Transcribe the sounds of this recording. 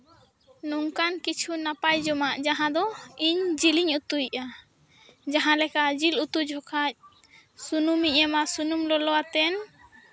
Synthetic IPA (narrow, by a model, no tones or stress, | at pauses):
nuŋkankit͡ʃʰunapajd͡ʒɔmaʔd͡ʒaɦãd̪ɔiɲd͡ʒiliɲut̪uiʔa | d͡ʒaɦãlɛkad͡ʒilut̪ud͡ʒʱɔkʰac̚ | sunumiamasunumlɔlɔwat̪ɛn